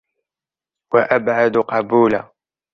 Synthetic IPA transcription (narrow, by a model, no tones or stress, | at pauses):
waʔabʕad̪qɑbuːla